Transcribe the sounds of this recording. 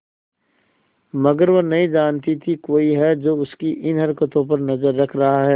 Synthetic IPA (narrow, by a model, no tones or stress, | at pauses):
mɐɡəɾʋonɐɦĩd͡ʒaːnt̪it̪ʰikoːiɦɛd͡ʒoːʊskiʔɪnɦɐɾkət̪õp̬ɐɾnɐzəɾːɐkʰɾɐɦaɦɛː